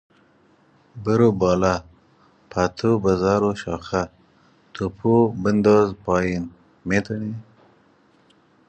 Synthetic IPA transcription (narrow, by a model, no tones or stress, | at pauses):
bəɾobɑːla | pʰat̪ʰubazɑːɾoʃɑːxa | t̪ʰupʰubənd̪oːzpɑːjin | met̪uni